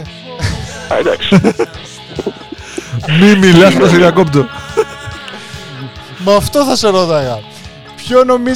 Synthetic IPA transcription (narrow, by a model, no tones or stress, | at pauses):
ɐ̰d̪ɐ̰ks | mimilɐsɐt̪ɐs̬eðiɐkopt̪o | mːft̪o̞θɐseɾoðɐɣɐ | pçono̞mi